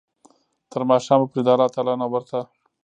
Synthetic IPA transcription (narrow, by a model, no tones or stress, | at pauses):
t̪əɾmɑʃɑːməpɾid̪ɑlɑt̪ɑlɑnawəɾt̪a